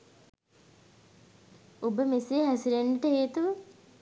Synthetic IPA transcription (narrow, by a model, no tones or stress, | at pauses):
ubəmeseːɦæsiɾenʈəɦeːt̪uʋə